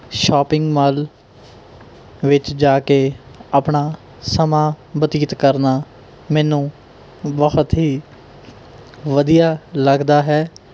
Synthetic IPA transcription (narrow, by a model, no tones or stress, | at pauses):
ʃɔːpɪ̃ŋɡmaːl | ʋɪt͡ʃd͡ʒaːkeaːpnaː | səmãːbət̪iːt̪kəɾnaː | mɛːnũː | bəət̪ɦiː | ʋəd̪ijaːləɡd̪aːɦɛː